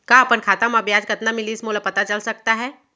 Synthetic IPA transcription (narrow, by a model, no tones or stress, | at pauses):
kaɐpənkʰaːt̪amɐbʱjaːd͡ʒkɐt̪namɪlismoːləpɐt̪at͡ʃɐlsɐk̚t̪aɦɛː